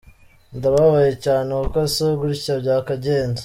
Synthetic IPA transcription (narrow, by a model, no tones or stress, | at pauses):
ndaβaβajecaːnekukosoɡuɾicabɟaːkaɟeːnza